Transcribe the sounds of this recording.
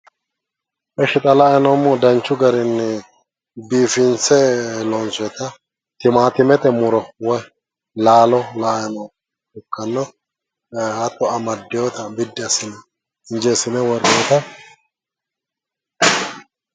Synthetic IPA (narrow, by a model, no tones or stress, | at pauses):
ʔɛʃɪt̪ʼɐlajɐnɔmːɔd̪ɐnt͡ʃːʊɡɐɾɪnːɛ | biːfɪnt͡sɛlɔnsɔt̪ɐ | t̪ɪmaːt̪ɪmɛt̪ɛmʊɾɔwɔ | laːlɔlajɐnɔ | ʊkːɐnːɔ | ɐt̪ːɔɐmɐd̪ːɪjot̪ɐbɪd̪ːɪɐsɪnɛ | ɪnd͡ʒɛsɪnɛwɔɾjot̪ɐ